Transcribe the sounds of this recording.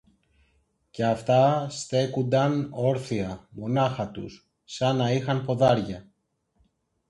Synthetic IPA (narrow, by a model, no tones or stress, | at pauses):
ce̞ɐft̪ɐst̪e̞kund̪ɐno̞ɾθiɐmo̞nɐxɐt̪ṵsː | ɐnɐixɐnpo̞ðɐɾʝɐ